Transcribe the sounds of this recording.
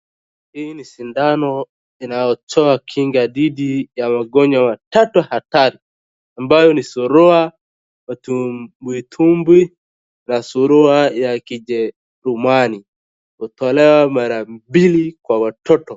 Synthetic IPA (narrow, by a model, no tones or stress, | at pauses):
hinisindanɔ | inajɔt͡ʃɔakʰiŋɡaðiɗijamaɡɔɲwamatatuhataɾi | ambajɔnisuɾua | tubwitʰumbwi | nasuɾuajakid͡ʒɛ | ɾumani | hutɔlɛwamaɾambilikwawatʰɔtɔ